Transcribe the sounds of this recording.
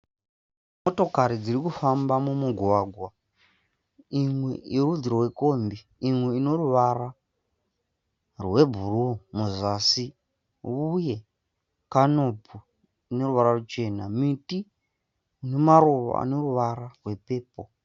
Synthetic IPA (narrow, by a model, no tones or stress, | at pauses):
mo̞to̞kaɾid͡zirikufambamumuɡʱwaɡʱwa | imwe̞irud͡ziɾoweko̞ːmbi | imwe̞ino̞ruʋara | rwe̞bʱurumuzasi | uje̞ | kano̞bu | ine̞ruʋaɾarut͡ʃe̞namiti | une̞maruʋo̰a̰no̞ruʋararwe̞pe̞ːpo